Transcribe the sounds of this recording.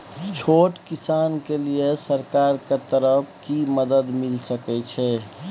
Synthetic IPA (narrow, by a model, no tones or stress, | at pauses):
t͡ʃʰoːʈkɪsaːnkeliesəɾkaːɾket̪əɾəpʰkiməd̪əd̪mɪlsəkɛt͡ʃʰɛː